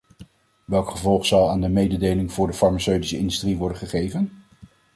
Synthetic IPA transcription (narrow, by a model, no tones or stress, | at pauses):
ʋɛlˠkχəvɔlˠχsɑlˠaːndəmejdədejlɪŋv̥ʊːɹdəfɑɹmasøɥtisəɪ̰ndystriʋɔɹdənχəχejvən